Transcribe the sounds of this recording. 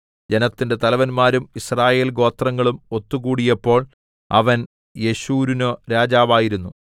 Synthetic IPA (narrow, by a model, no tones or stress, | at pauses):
d͡ʑe̞nɐt̪ːinde̞t̪ɐlɐʋɐnmaːɾumisraːje̞ːlɡo̞ːt̪rɐŋːɐɭumo̞t̪ːuɣuːɽijɐpːo̞ːɭ | ɐ̰ʋɐn | je̞ɕuːɾunoɾaːd͡ʑaːʋaːjiɾunːu